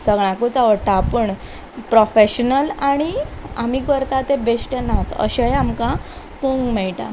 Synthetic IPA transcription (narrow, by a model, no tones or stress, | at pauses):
səɡɭ̃ãkut͡saʋəɽʈaːpəɳ | pɾɔfeɕnəlaɽ̃iamiːkəɾt̪at̪ebesʈenat͡sə̰ɕejamka | puŋɡmɛɭʈa̰